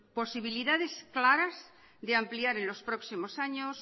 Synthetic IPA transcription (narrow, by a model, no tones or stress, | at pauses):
po̞siβ̞iliðaðe̞sklaɾaz | ðeampliaɾe̞nlo̞spɾo̞ksimo̞saɲos